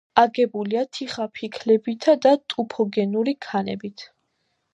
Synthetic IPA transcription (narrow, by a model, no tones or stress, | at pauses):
aɡɛbuliat̪ʰiχapʰikʰlɛbit̪ʰad̪at̪ʼupʰɔɡɛnuɾikʰanɛ̰bit̪ʰ